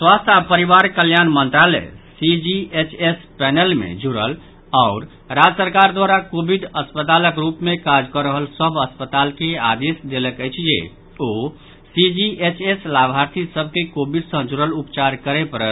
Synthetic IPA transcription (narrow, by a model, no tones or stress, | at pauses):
swast̪ʰapəɾiʋaɾkəljanmənt̪ɾalɛ̰sid͡ʒiet͡ʃʰespɛnəlmḛd͡ʒuɾəl | aʊɾ | ɾad͡ʒsəɾkaɾd̪waɾakobʱiɖəspət̪aləkɾupmekad͡ʒkəɾəɦəlsəbʱəspət̪alkea̰d̪esd̪eləkəjt͡ʃʰjḛ | o | sid͡ʒiʔet͡ʃʰeslabʱaɾt̪ʰisəb̚ʱkekobiɖsə̃d͡ʒuɾəlupt͡ʃaɾkəɾepəɾ